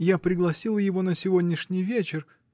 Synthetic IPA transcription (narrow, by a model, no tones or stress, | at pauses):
japɾʲɪɡlˠɐsʲilˠəjɪvo̞nəsʲɪvodʲnʲɪʂnʲɪjvʲet͡ɕɪr